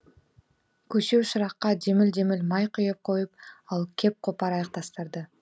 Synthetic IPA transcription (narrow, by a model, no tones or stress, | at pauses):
kɵʃyʃɾɑqːɑd͡ʒemɪld͡ʒemɪlʲmɑjqʰojop̚qʰo̞jup̚ɑlˠkʲʰe̞p̚qʰopɑɾɑjɑq̚t̪ɑst̪əɾd̪ə